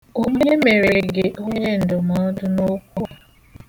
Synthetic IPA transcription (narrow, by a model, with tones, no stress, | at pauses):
o˦ɲe˦me˨ɾɪ˨ɡe˨ʔo˦ɲe˦n̩˨dʊ˨mɔ˨˦dʊ˦no˦kʷu˦˨